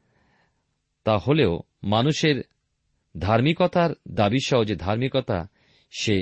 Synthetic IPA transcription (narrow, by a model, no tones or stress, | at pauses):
t̪aholeo | manuʃeɾ | d̪ʱaɾmikɔt̪aɾd̪abiʃɔɦod͡ʑed̪ʱaɾmikɔt̪a̰ | ʃe